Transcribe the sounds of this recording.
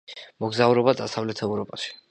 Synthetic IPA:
mɔɡzauɾɔbad̪asavlɛt̪ʰɛvɾɔpʼaʃi̥

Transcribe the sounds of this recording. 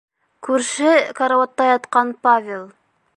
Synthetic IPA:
kʉɾʃɘkɐɾawɑt̪ːɑjɑt̪qɑnpavʲelˠ

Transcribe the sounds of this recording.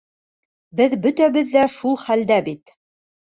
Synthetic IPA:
bɘðbɵ̆t̪æβɘðːæʃulˠχæld̪æbit̪

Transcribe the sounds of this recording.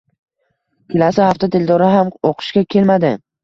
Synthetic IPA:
kʲʰɪlasɪhaft̪at̪ʰeld̪ɒɾɪɦamoqʰɨ̥ʃkʲakʲʰe̞lmad̪ɪ

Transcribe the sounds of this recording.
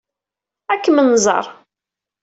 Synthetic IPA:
ækːəmənzˤɑ̰ɾˤ

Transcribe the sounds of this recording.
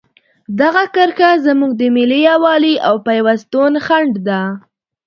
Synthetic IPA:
d̪aɣakaɾxazamuɡ̚d̪əmɪlijawɑliʔawpajwast̪onxaɳɖd̪a

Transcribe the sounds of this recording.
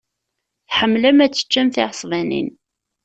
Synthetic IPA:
θħəmːlæmæt͡sːə̥t͡ʃːæmθɪʕsˤvænḭn

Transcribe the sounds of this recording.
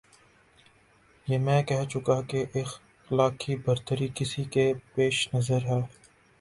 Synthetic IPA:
jeːmɛ̃ːkɛɦt͡ʃʊkakeʔex | laːkʰibɐɾt̪əɾikɪsikepeːʃnɐzəɾɦɛː

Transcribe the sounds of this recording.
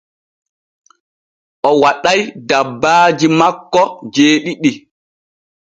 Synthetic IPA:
ʔɔwaɗajdabːaːd͡ʒimakːɔd͡ʒeːɗiɗi

